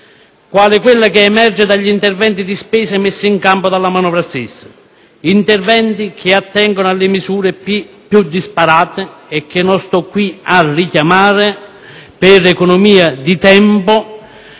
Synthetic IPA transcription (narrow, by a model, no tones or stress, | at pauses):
kwaːlɪkwɪlːakeːmɛrd͡ʒɪd̪aʎːint̪ɛrvɛnt̪id̪ispɛːsɛmesːiiŋkampod̪alːamanɔːvɾast̪ɪsːḁ | int̪ɛrvɛnt̪ik̟ʰɪat̪ːɛŋɡonoalːɪmisuːɾɪ | pjud̪ːispaɾaːt̪ɪɛk̟ːɪnːɔnst̪ɔkːwiarikjamaːɾɪ | pɪɾɛkɔnɔmiːad̪it̪ɛmpʊ